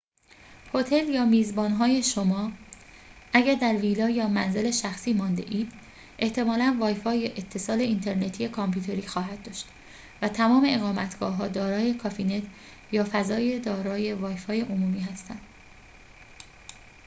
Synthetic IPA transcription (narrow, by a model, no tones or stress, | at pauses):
ho̞t̪ʰe̞ljɒːmiːzbɒːnɦɒːje̞ʃo̞mɒː | ʔæɟæɾd̪æɾviːlɒːjɒːmænze̞le̞ʃæxsiːmɒːnd̪e̞̰ʔiːd̪̥ | ʔe̞ht̪ʰe̞mɒːlænvɒːjfɒːjeʔet̪ʰːe̞sɒːle̞int̪ʰe̞ɾne̞t̪ʰijekʰɒmpʰuːt̪ʰe̞ɾiːxɒːɦæd̪̚d̪ɒːʃt̪ | væt̪ʰæmɒːme̞eɣɒːmæt̪ʰɡ̥ɒːɦɒːd̪ɒːɾɒːjekʰɒːfiːne̞t̪ʰ | jɒːfæzɒːje̞d̪ɒːɾɒːje̞vɒːjfɒːje̞ʔomuːmiːhæst̪ʰænd̪̥